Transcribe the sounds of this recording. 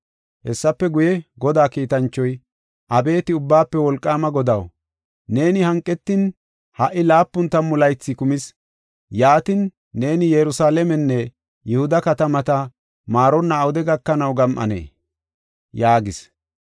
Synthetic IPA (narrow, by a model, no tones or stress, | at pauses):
hɛsːɐpːɛɡʊjɛɡɔd̪aːkiːt̪ɐnt͡ʃːɔj | ʔɐbe̞ːt̪ɪʊbːaːpːɛwɔlkʼːaːmɐɡɔd̪ɐw | ne̞ːnɪhɐŋkʼːɛt̪ːɪn | hɐʔːɪlaːpːʊnt̪ːɐmːʊlɐjt͡sːɪkʊmɪs | jaːt̪ɪnː | e̞ːnɪjɛɾʊsaːlɛmɛnːɛ | jɛhʊd̪ɐkɐt̪ɐmɐt̪ɐ | maːɾɔnːɐːwʊd̪ɛɡɐkːɐnɐwɡɐmʔɐ̰nḛː | jaːɡɪs